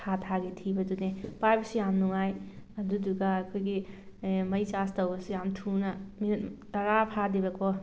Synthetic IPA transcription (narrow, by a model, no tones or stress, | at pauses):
atʰaɡitʰibɐdunepajbɐsijamnuŋajɐduduɡaːkʰojɡi | mɐjt͡ʃastɐwbɐsijamtʰunɐminɐttɐɾapʰadibɐkʰɔ